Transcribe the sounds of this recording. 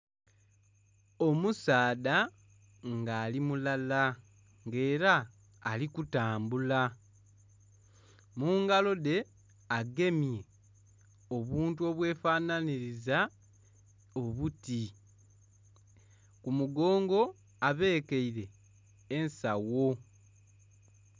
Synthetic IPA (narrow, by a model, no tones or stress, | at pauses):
o̞musaːda | ŋɡaːlimulala | ŋɡe̞ːɾaː | likutaːmbula | muːŋɡalo̞de̞ | aɡe̞mje̞ | o̞βuːntuo̞βwe̞ːfaːnaniɾiza | o̞βuti | kumuɡo̞ːŋɡo̞ | aβe̞ːkeiɾeː | nsawo̞